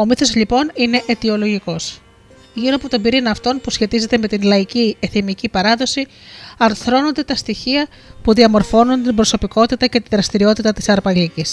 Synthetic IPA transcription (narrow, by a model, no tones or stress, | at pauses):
o̞miθo̞zlipo̞nine̞ʔet̪io̞lo̞ʝiko̞s | ʝiɾo̞ɐpo̞t̪obiɾinɐft̪o̞npusçe̞t̪ize̞t̪e̞me̞t̪inlɐicieθimicipɐɾɐðo̞si | ɐɾθɾo̞no̞nd̪e̞t̪ɐst̪içiɐ | puðiɐmo̞ɾfo̞nunt̪ibɾo̞so̞piko̞t̪it̪ɐce̞t̪iðɾɐst̪iɾio̞t̪it̪ɐt̪i̥sɐɾpɐlicis